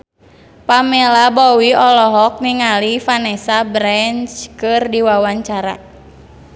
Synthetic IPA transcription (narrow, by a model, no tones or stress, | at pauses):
pamɛlabɔwiɔlɔɦɔk̚niŋalifanɛsabɾɛnt͡ʃkɨrdiwawaɲt͡ʃaɾa̰